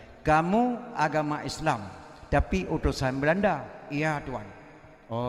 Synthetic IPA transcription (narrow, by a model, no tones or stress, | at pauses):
kamuaɡamaʔislam | t̪apiʔutusanbəlandaijat̪uan | o